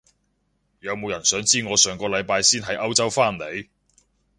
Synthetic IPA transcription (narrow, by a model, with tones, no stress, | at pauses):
jɐ˨˧wmo˨˧wjɐ˨˩nsœː˨˥ŋt͡siː˥ŋɔː˨˧sœː˨ŋkɔː˧lɐ˨˧jpaː˧jsiː˥nɦɐ˨˥jʔɐ˥wt͡sɐ˥wfaː˥nle˨˥j